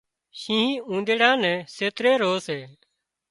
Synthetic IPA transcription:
ʃĩːɦĩːũːnd̪eːɽãːnɛ̃ːseːt̪ɾeːɾoːseː

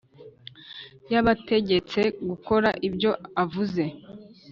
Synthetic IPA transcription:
jaβate̞ɟe̞t͡se̞ɡuko̞ɾaʔibɟo̞avuze̞

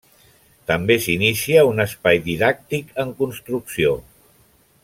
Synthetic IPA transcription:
t̪əmbesinisiəunəspajðiðak̚t̪ikəŋkunst̪ɾuksio

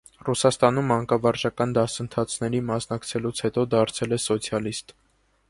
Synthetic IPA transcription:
rusɑst̪ɑnumːɑŋkɑvɑɾt͡ʃɑkɑnd̪ɑsənt̪ʰɑt͡sʰnɛɾimɑsnɑkt͡sʰɛlut͡sʰhɛt̪ɔd̪ɑɾt͡sʰɛlɛsɔt͡sʰjɑlist̪

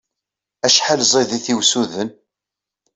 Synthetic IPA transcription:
æʃħalzˤiðiθiwsuðən

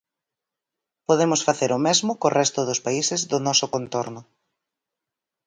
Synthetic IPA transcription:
poðemʊsfaθeɾʊmezmʊkorɛst̪ʊðʊspaisɪzðʊnɔsʊkõnt̪oɾnʊ

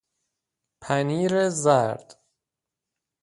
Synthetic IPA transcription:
pʰæniːɾezæɾd̪̥

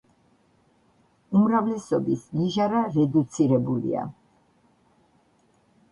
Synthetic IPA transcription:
umɾavlɛsɔbisniʒaɾaɾɛd̪ut̪sʰiɾɛbulḭa̰

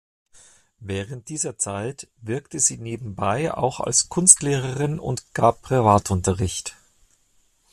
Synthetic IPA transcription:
vɛːʁənt̚d̥iːzɐt͡saɪtvɪɐktəziːneːbm̩baɪa̰ʊxa̰lskʰʊnstleːʁəʁɪnʊ̰ntɡ̥aːppːʁ̥ivaːtʊntɐʁɪçt

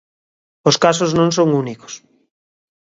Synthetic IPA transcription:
oskas̬oznõŋs̬õŋuniko̥s

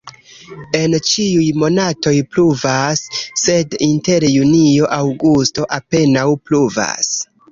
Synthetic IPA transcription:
e̞nt͡ʃiujmo̞nato̞jpluvasːe̞dinte̞ɾjunio̞ʔawɡusto̞ʔape̞nawpluva̰s

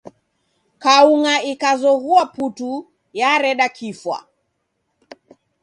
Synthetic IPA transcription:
kauŋaikazɔɣuaputu | jaɾɛɗakʰifwa̰

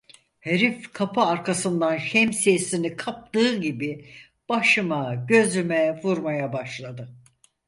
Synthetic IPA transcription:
heɾifkʰapʰaːɾkʰasɯnd̪anʃɛmsijesinikʰap̚t̪ɯːɟibi | b̥aʃɯmaɟø̞zymɛvuɾmajabaʃlˠad̪ɯ

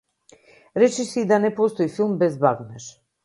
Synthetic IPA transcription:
ɾɛt͡ʃɛsiːd̪anɛpɔst̪ɔifilˠmbɛzbaɡnɛʃ

